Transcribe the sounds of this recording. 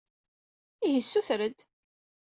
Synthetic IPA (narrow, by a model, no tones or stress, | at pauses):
iɦəsːuθɾəd̪